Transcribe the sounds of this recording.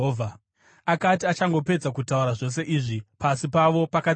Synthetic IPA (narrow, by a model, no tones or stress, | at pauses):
oːvʱa | akatiat͡ʃaŋɡo̞pe̞d͡zakutauɾaʐo̞s̬e̞ʔiːʐipasipaʋo̞paka